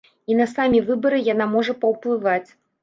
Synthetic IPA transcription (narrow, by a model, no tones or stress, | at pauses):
inɐsamʲivɨbɐɾɨjanamɔʐɐpɐwplˠɨvat͡sʲ